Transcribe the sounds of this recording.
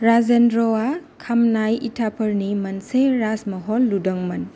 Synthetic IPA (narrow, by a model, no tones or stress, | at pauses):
ɾazendɾɔwakʰamnajitʰapʰɐɾnimɐnseɾasmɐɦɔlːudɐŋmɐn